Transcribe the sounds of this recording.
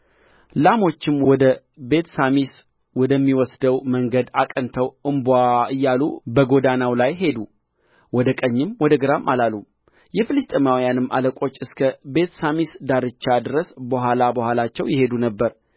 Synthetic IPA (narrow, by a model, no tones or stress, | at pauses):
lamo̞t͡ʃːɪmwwɔd̪ə | be̞t̪samis | wɔd̪əmːiwɔsd̪əwməŋɡəd̪akʼənt̪ʰəwʔɨmbaɨjːalubəɡo̞d̪anawlajɦe̞d̪u | wɔd̪əkʼəɲːɪmwɔd̪əɡɨɾamʔalalːu | jɛfɨlɨst̪ʼəmawjanɨmːa̰ləkʼo̞t͡ʃːɨskʰəbe̞t̪samisd̪aɾɨt͡ʃːad̪ɨɾəsbəɦʷalabəhʷwalat͡ʃːɛwjɪhe̞d̪unəbːəɾ